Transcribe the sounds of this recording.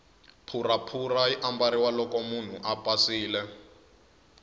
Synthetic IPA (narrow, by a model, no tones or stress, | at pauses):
pʰurapʰuraiʔambaɾiwalɔkɔmun̤uʔapʼasiːlɛ